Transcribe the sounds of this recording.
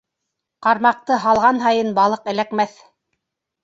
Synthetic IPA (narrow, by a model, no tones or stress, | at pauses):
qɑɾmɑq̚t̪ɤɦɑlˠʁɑnɦɑjɤnbɑlˠɤqɘ̆lækmæθ